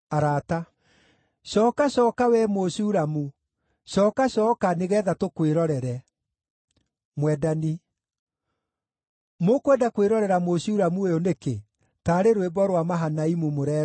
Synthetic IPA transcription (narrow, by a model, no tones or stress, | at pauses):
aɾata | ɕɔːkaɕɔːkawɛmoɕuːɾamu | ʃɔːkaɕɔːkaneɣɛðatokweɾɔɾɛɾɛ | mwɛdani | mokwedakweɾɔɾɛɾamoɕuɾamuejoneke | taɾeɾwebɔɾwamaɦanaimumoɾɛ